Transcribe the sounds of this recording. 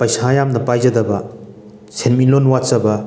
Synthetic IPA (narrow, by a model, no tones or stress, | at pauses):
pɐjsajamnɐpajzɐd̪ɐbɐ | sʰenminlonwatsɐbɐ